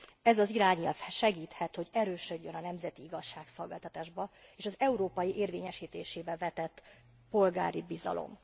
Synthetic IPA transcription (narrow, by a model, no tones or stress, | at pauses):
ɛzɒziɾaːɲilfʃɛɡiːt̪hɛt̪ho̞ɟɛɾøːʃø̞ɟːønɒnɛmzɛt̪iiɡɒʃːaːkso̞lɡaːlt̪ɒt̪aːʒbɒeːʃɒzɛuɾoːpɒjiʔeːrveːɲɛʃiːt̪eːʃeːbɛvɛt̪ɛt̪ː | po̞lɡa̰ːɾibizɒ̰lʔo̰m